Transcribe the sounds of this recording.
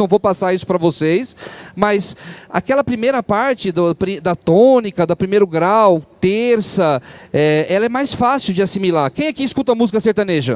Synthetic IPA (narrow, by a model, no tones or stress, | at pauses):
ɐ̃w̃vowpasaɾisʊ̥pɾɐvosejsmɐjsa̰kɛlɐpɾimejɾɐpaɾt͡ʃɪd̪ʊpɾid̪ɐt̪õnikɐd̪ʊpɾimejɾʊɡɾawt̪eɾsɐɛɛlɐɛmajsfasiwd͡ʒɪasimilakẽj̃ɐkiɪskut̪ɐmuzikɐseɾt̪ɐ̃neʒɐ̰